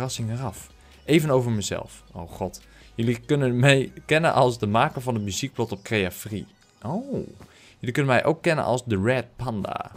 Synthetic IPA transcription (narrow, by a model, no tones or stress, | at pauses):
rɑsɪŋərɑf | ʔeːvənowvəɹmɛjzɛ̰lˠfo̰wχɔt | jølikønənmɛjkɛnə̰nʔɔlˠsdəmaːkəvɑnətmyzik̚blɔtɔp̚krejafrḭ | ʔo | jølikønənmɛjʔo̰wkːɛnə̰nʔɑ̰lˠsdərɛt̚panda̰ː